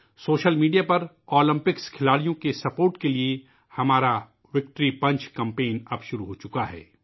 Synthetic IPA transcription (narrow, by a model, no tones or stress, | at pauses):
soːʃəlmiːɖijapɐɾ | oːlɪ̃mpɪkskʰɪlaːɽijõkesɐpoːɾʈkelie | hɐmaːɾa | ʋɪk̚ʈɾipɐ̃ɲt͡ʃkɐ̃mpẽːnɐpʃʊɾuɦoːt͡ʃʊkaɦɛ̰ː